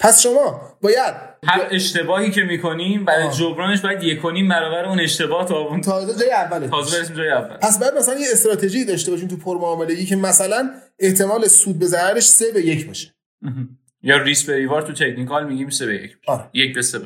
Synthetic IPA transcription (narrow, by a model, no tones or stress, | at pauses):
pʰæsʃo̞mɒː | bɒːjæd̪̥̚ | hæe̞ʃt̪e̞bɒːhiːcemiːkʰo̞niːmbæɾed͡ʒobɾɒːne̞ʃ̬bɒːjæd̪jekʰoniːmbæɾɒːvæɾeuːne̞ʃt̪e̞bɒːht̪ʰɒːbunt̪ʰɒzed͡ʒɒːjeævːæleɒːzebeɾes̬imd͡ʒɒːjeævːæ̰lpʰæs̬bɒːjæd̪̚mæsælænjeest̪ɾɒːt̪ʰe̞ʒiːd̪ɒːʃt̪eɒːʃ̬iːmt̪ʰupʰoɾmoɒːmele̞ɡiːcʰe̞mæsælæneht̪ʰe̞mɒːlesuːd̪̚be̞zæɾæɾeʃse̞beje̞cʰbɒːʃe̥ | jɒːrisbeɾivɒːɾt̪ʰut̪ʰekʰnikɒlmiɟiːmsebejḛcʰbʃɒɾejecbeseb